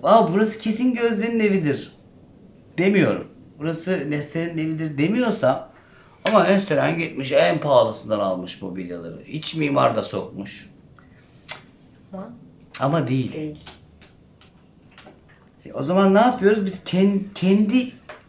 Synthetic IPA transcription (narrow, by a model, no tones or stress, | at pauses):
vaabuɾasɯ̥cʰe̞sinɟø̞zlʲeɾine̞vid̪iɾ̥ | d̪̥e̞mijo̞̰ɾṵm | buɾasɯnɛslʲeɾnine̞vid̪iɾd̪e̞mijo̞ɾsa | amaɛnsøɾæ̰nɟit̪miʃɛnpʰaːlˠasɯnd̪ana̰lˠmɯʃmo̞̰bilʲja̰lˠa̰ɾɯ̰hit͡ʃmiːma̰ɾd̪aso̞̰k̚muʃ | amad̪ejilʲ | o̞̰zamanːaːpʰɯjo̞ɾuzbiz̥cʰɛncʰɛnd̪i